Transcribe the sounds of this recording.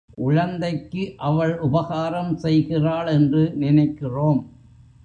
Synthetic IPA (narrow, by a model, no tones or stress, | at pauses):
ʔʊɻɐnd̪ɐɪkːɯʔɐʋɐɭʔʊbɐɣaːɾɐmsɛjɣɪraːɭɛndrɯnɪnɐɪkːɪroːm